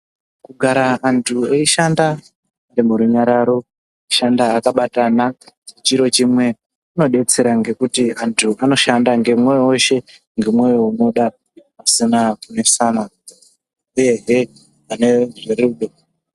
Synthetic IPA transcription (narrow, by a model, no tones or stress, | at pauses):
kuɡʱaɾaːntʰueiʃanda | ndemuɾuɲaɾaɾo̞ | iʃandaːkaɓatanat͡ʃit͡ʃiɾo̞t͡ʃimwe̞ | uno̞ɗe̞t͡se̞ɾaŋɡe̞kutiantʰuʔano̞ʃandaŋɡe̞mweoʃe̞ | ŋɡemwejoomoɗa | pasinakune̞sana | uje̞ɦe | ane̞ʐeɾeuɗo